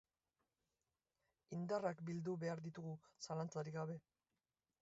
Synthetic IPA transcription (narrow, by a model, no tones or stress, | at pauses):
ind̪arakbild̪uβe̞aɾðit̪uɣusalant͡saɾiɣaβe̞